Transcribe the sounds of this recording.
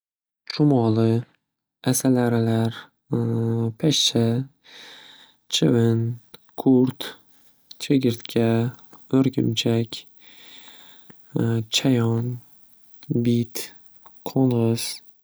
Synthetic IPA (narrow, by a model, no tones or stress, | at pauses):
t͡ʃʰʊmɒlˠɪ | asalaɾɪlaɾ | pʰaʃt͡ʃʰa | t͡ʃʰɪvɪnkʰuɾt̪ | t͡ʃʰeɡʲɪɾt̪kʲʰa | ɵɾɡʲɪmt͡ʃʰakʲ | t͡ʃʰajɒn | bit̪ | qʰonʁɨz̥